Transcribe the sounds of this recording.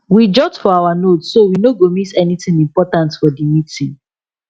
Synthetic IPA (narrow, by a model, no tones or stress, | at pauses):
wid͡ʒɔtfɔawanotsːowinoɡomitɛnitĩŋĩmpɔtãntfɔdimitĩŋ